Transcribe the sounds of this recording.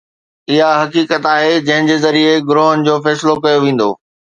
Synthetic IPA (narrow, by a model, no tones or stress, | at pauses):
ɪɦaɦɐkiːkət̪aːɦed͡ʑɐ̃ɦɪ̃ɲd͡ʑeːzɐɾieɡʊɾoːɦənɪ̆d͡ʑoːfɛːsɪlokɐjoʋẽːn̆d̪o̰ː